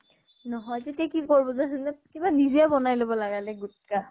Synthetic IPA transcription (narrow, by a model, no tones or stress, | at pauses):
nɔɦɔjtetiakikoɹibɔzaɦɛnɛkibaniziabɔnajlobɔlaɡalɛɡutka